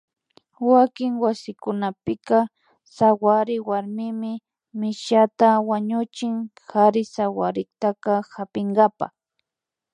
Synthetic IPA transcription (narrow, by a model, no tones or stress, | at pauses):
wakɪŋwasɪkʊnapɪka | sawaɾɪwaɾmɪmɪ | mɪʃat̪awaɲʊt͡ʃɪŋhaɾɪsawaɾɪt̪akahapɪŋɡapa̰